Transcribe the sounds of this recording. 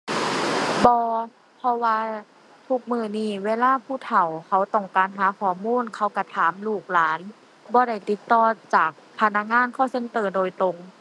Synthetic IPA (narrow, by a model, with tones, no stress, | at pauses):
bɔː˧ | pʰɔ˧waː˧ | t̪ʰu˧k̚mɯː˧˩niː˧˩weː˧˨laː˧˥˨pʰuː˧˥˨t̪ʰa˨˩wkʰa˧˩wt̪ɔ˧˩ŋkaː˨nɦaː˨˦kʰɔː˧˩˦muː˧˥˨nkʰa˧˩wka˧˩t̪ʰaː˨˦mluː˧˩k̚laː˨˦n | bɔː˧˦ɾa˧˩jt̪i˧˦t̪ːɔː˧t͡ɕaː˨˩k̚pʰa˧na˧˥k̚ŋaː˧˥˨nkʰɔː˧˥˩sɤ˧˥˨ŋt̪ɤː˧˩doː˧˨jt̪ɾo˧˩ŋ